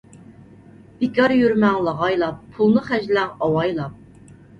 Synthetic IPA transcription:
b̥ɪkʲɑɾjyɾmɛŋlˠɑʁɑjlˠɑpʰːulˠnɨχæʒlɛŋɑwɑjlˠɑp̚

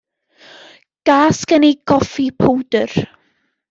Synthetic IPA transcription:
ɡ̥aːskəniɡ̥ɔfipʰəwdər

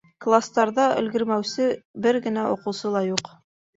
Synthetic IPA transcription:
klˠast̪ɑɾðɑʔɵ̆lɡɘ̆ɾmæwsɘbɘɾɡɘ̆næŏqɤ̆wsɤlˠɑjuq

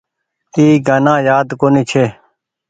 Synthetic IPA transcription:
iːɡaːnãːjaːd̪koːniːt͡ʃʰeː

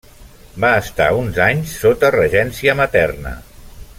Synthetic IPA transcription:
baəst̪a̰unzaɲsːot̪ərəʒɛnsiəmət̪ɛrnə̰

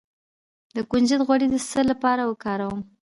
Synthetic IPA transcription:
d̪əkund͡ʒəd̪ɣwaɽid̪əsəlapɑɾawəkɑɾawəm

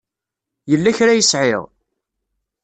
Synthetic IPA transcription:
jəlːæçɾajəsʕɪʁ

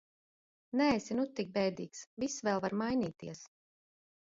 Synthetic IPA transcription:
nɛɛjsinut̪ːik̚bɛjd̪iːksvisːvɛlˠvaɾmajnʲiːt̪iɛs

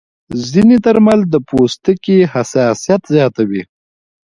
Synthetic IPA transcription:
zinet̪aɾmald̪əpost̪əkihasɑsijat̪zjɑt̪awi

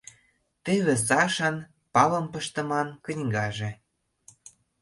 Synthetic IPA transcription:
t̪eβĕsɑʃən | pɑlɤ̆mpə̆ʃt̪ə̆mɑnkə̆nʲɡɑʒĕ

